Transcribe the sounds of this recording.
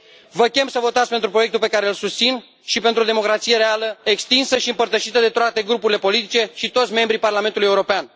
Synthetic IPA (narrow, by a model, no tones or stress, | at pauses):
vəkʲe̞msəvo̞t̪at̪sʲpent̪ɾupɾoje̞k̚t̪ulpe̞kaɾe̞ɨlsust̪sin | ʃipent̪ɾuo̞d̪emo̞kɾat̪sije̞ɾealəekst̪insəʃiɨmpərt̪əʃit̪əd̪e̞t̪oat̪e̞ɡɾupuɾile̞po̞lit̪it͡ʃe̞ʃit̪o̞t̪sʲme̞mbɾiparlame̞nt̪uluje̞uɾo̞pean